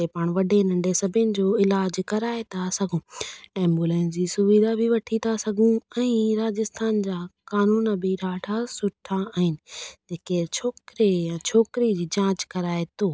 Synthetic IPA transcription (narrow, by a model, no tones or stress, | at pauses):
t̪epaːɽ̃ʋɐɖʱenɐ̃ɳɖʱesɐbʱɪnɪ̆d͡ʑoːɪlaːd͡ʑkɐɾaːet̪ʰasɐɡʱũːɛ̃ːmbulɛ̃ːns̬d͡ʑiːsʊʋid̪ʱabʱiʋɐʈʰit̪ʰasɐɡʱũɛ̃ːɾaːd͡ʑɪst̪ʰaːnd͡ʑaːkaːnuːnbʱiɾaːʈʰasʊʈʰaaːɦɪnɪ̆d͡ʑeːket͡ɕʰoːkɾejãt͡ɕʰoːkɪɾid͡ʑiːd͡ʑãːt͡ɕkɐɾaːet̪ʰoː